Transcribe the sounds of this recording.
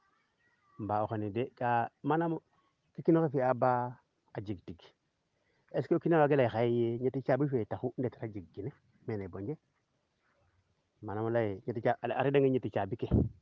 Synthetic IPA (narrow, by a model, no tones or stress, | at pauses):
m̩baoxonidekamanamo | kikinokefiaba | ad͡ʒiɡtiɡ | eskokinaaɡelaixajejeɲetit͡ʃabifetaxundeti̥ɾad͡ʒiɡ̚ɡine | meneboɲd͡ʒe | manamolajeɲetiaa̰ɾideŋeɲetit͡ʃabike